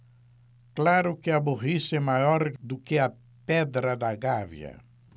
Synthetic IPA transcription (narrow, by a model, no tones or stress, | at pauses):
klaɾʊkɪɐbuʁisɛmajɔɾd̪ʊkɪɐ | pɛd̪ɾɐd̪ɐɡavj̰ɐ̰